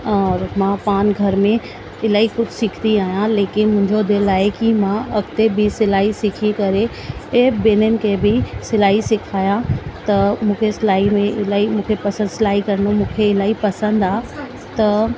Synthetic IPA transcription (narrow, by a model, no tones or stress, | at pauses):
ɔːɾmãːpaːnɡʱɐɾmẽ | ɪlaːikʊt͡ʃʰsɪkʰt̪iaːjãleːkɪnmʊ̃ɦɪ̃ɲd͡ʒod̪elaːekimãɐkt̪ebʱisɪlaːisɪkʰikɐɾe | ebeːnənɪ̆kʰebʱisɪlaːisɪkʰaːjãt̪ɐmũːkʰesɪlaːimẽɪlaːimũːkʰepɐsə̃nd̪sɪlaːikɐɾnomũːkʰeɪlaːipɐsə̃nd̪aː | t̪ɐ